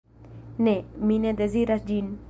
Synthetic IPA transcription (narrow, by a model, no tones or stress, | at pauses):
nemined̪eziɾasd͡ʒin